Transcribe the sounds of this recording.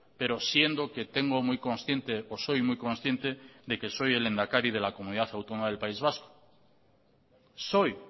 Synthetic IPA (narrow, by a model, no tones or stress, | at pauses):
pe̞ɾo̞sje̞nd̪o̞ke̞t̪e̞ŋɡomujkõ̞nsθje̞nt̪eoso̞jmujko̞nsθje̞nt̪e̞ðe̞ke̞so̞jele̞nd̪akaɾið̞e̞lako̞mũniðaθawt̪onomað̞e̞lpaizβ̞asko̥ | so̞j